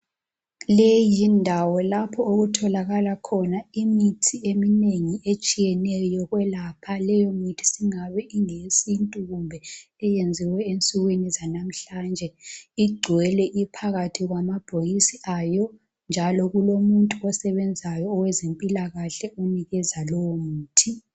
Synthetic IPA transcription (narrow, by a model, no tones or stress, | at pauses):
lejindʱawɔlapʰɔoɣutʰɔlaɣalakʰɔnaimitʰiemineŋiet͡ʃʼijɛnɛjɔɣwɛlapʰalɛjɔmitʰi̥siŋaβɛʔiŋesintʼuɣumbʱɛ | ɛjend͡zʱiwɛent͡sʼuɣwinizanam̩ɬand͡ʒʱɛiɡ͡ǀʱwɛlɛʔipʰaɣatʰiɣwamab̥ʱojisiajɔ | nd͡ʒʱalɔɣulomuntʼuɔsɛβɛnd͡zʱajɔːwɛzempʼilaɣaɬɛuniɣɛzalɔwɔmuːtʰi